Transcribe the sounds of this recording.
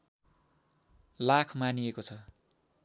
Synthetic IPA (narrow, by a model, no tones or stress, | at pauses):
lakʰmaniekot͡sʰʌ